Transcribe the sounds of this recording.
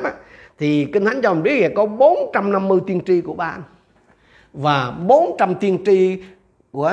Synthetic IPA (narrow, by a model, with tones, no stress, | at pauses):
a˧t̪ʰi˨˩ki˧ŋt̪ʰa˨˦ŋ̟t͡ɕa˧˨˩ɓi˦˥ək̚ɣɛ̰˧˩kɔ˨˦ɓo˨˦nt͡ɕa˧mna˧mːɨ˧əjt̪i˧ənt͡ɕi˧ku˧˩əɓa̰ː˧n | vaː˨˩ɓo˨˦nt͡ɕa˧mt̪i˧ənt͡ɕi˧ | ku˧˩ə